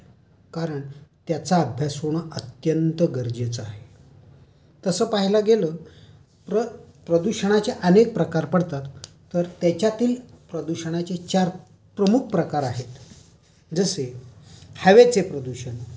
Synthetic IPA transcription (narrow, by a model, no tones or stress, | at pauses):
kaɾəɳt̪jat͡saːbʱjasoɽ̃əət̪jənt̪əɡəɾd͡ʑet͡səaɦe | t̪əsəːpaɦilaɡelə | pɾə | pɾəd̪uɕəɽ̃at͡seʔənek̚pɾəkaɾpəɽt̪at̪ː | əɾt̪jat͡ɕjat̪iːl | pɾəd̪uɕəɽ̃at͡set͡ɕaɾ | pɾəmuk̚ʰpɾəkaɾaɦet̪ | d͡zəse | haʋet͡sepɾəd̪uɕən